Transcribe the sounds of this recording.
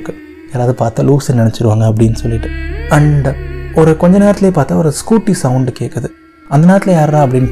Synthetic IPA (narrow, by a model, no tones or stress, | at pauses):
kːɯ | jeːɾaːʋðɯpaːɾt̪aːluːksnɪnɛt͡ʃːɪɾɯʋaːŋɡɐːp̬ːɐɽɪnːɯsɔlːɪʈːɯ̥ɐɳɖɔɾɯkɔɲd͡ʒɐneːɾɐt̪ɪleːpaːɾt̪ːaːɔɾɯskuːʈːisɐʊɳɖkeːkːɐðɯ | ɐnd̪ɐnaːt̪ɪlɐjaːɾd̪ãːɐp̬ːɐɽɪnː